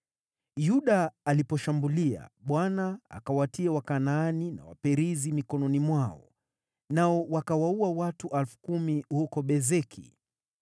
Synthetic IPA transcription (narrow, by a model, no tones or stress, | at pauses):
juɗaːlipɔʃambulia̰ɓwanaa̰kawatiawakanaːnina̰wa̰pɛɾizimikɔnɔnimwaɔ̰ | naɔwakawauawatuʔalfu̥kumihukɔɓɛzɛkʰḭ